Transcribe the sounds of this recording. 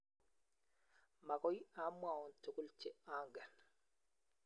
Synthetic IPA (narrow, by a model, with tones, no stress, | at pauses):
ma˨kɔ˦ji˦a˦mwa˨ɔ˨nto˨ku˦lt͡ʃe˦a˦ŋɡɛ˨n